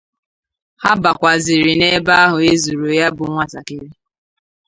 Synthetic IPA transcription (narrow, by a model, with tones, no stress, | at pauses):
ha˦ba˨kʷa˨zɪ˨ɾi˨ne˦ba˦ɦʊ˨e˦zu˨ɾo˨˦ja˦bʊ˨˦ŋʷa˨ta˨ke˦ɾi˦